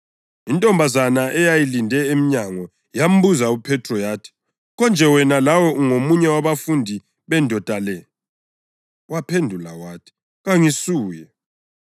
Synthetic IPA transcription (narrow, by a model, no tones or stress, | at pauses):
intʼɔmbʱazanaʔɛjajilindʱɛemiɲaŋɔ | jam̩buzaupʰɛtʰrɔjaːtʰi̥ | ɣɔnd͡ʒʱɛwɛnalawɔʔuŋomuɲɛwaβafundʱi | βɛndʱɔd̥ʱalɛ | wapʰendʱula̰waːtʰi̥ | ɣaŋisuːjɛ